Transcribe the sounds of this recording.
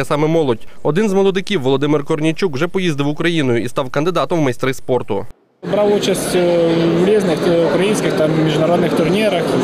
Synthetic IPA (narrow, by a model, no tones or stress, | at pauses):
ɛsɑmɛmɔlˠɔdʲɔd̪ɪnzʋɔlˠɔd̪ɪkʲiwːɔlˠɔd̪ɪmɪrkɔrnʲit͡ʃukwʒɛpɔjizd̪ɪwʊkɾɐjinʊjʊist̪ɑwkɐnd̪ɪd̪ɑt̪ɔmwːmɐjst̪ɾɪspɔrt̪ʊ̰ | bɾɑwut͡ʃɐsʲtʲwɾʲiznɪxʊkɾɐjinʲsʲkʲɪxt̪ammʲiʒnɐɾɔd̪nɪxt̪ʊrnʲiɾɐx